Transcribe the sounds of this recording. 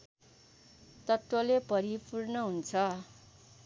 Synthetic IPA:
t̪ʌt̪wʌlepʌɾipurnʌɦunt͡sʰʌ

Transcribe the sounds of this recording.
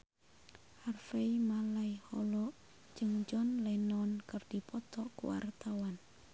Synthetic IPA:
harfeimalaihɔlɔʔ | d͡ʒɨŋd͡ʒɔnlɛnɔnkərd̥ipɔt̪ɔkṵwa̰rt̪awan

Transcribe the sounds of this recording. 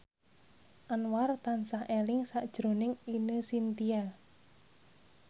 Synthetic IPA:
ʔanwart̪ansahelɪŋsaʔd̥ʒ̥ɾo̤nɪŋinəsint̪ia

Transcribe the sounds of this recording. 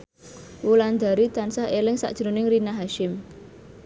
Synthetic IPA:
wuland̪a̤ɾit̪ansahelɪŋsa̰ʔd̥ʒ̥ɾonɪŋrinaɦaʃɪm

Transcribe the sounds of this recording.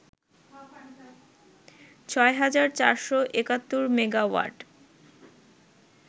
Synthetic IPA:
t͡ɕʰɔeɦad͡ʑaɾt͡ɕaɾʃoʔekat̪ːoɾmeɡawa̰ɾɖ

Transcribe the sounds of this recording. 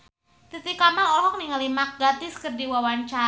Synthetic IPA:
t̪it̪ikamalɔɾɦɔk̚niŋalimak̚ɡat̪ɪskərdiwawaɲt͡ʃa

